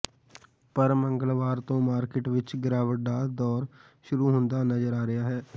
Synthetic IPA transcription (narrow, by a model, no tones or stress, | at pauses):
pəɾməŋɡəlʋaːɾt̪õːmaːɾkɪʈʋɪt͡ʃɡɪɾaːʋəɖaːd̪ɔːɾ | ʃʊɾuːɦʊnd̪aːnəd͡ʒəɾaːɾɪjaːɦɛː